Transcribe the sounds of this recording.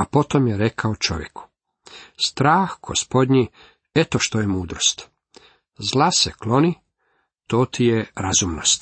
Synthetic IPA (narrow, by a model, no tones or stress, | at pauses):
apo̞t̪o̞mjeɾekʰaot͡ʃo̞ʋjḛku̥ | st̪ɾaːxɡ̥o̰spo̞d̪ʲɲi | et̪oʃt̪ojemuːd̪ɾost̪ | zlaseklo̞ni | t̪o̞ːt̪ijeɾazumnost̪